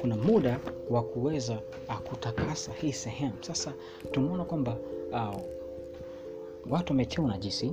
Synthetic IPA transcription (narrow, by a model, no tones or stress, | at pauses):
kunamuɗawakuwɛza | kutakasahiːsɛhɛmusasa | tumɔnakwamba | watuwamɛtʰɛunaʄisi